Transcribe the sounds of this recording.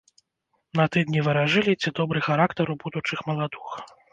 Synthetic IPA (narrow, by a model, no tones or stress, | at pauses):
nɐt̪ɨd̪nʲivɨɾaʐɨlʲit͡sʲɛd̪ɔbɾɨxaɾakt̪ɐɾubud̪ut͡ʂɨxmɐlˠad̪ɨx